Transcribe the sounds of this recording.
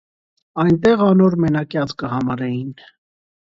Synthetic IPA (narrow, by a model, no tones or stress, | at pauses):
ɑjnt̪ɛʁɑnɔɾmɛnɑkjɑt͡skəhɑmɑɾɛjin